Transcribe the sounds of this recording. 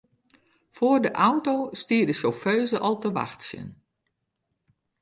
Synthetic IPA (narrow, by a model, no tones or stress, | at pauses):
foərdəʔawtostiːdəsoføːzəʔɔlˠtəʋa̰xtsjə̰n